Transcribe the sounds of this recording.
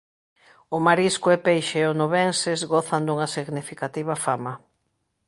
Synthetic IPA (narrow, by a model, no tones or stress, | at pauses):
ʊmaɾiskʊɛpejʃeonoβensɪzɣoθɐnd̪uŋɐsiɣnifikat̪iβɐfamɐ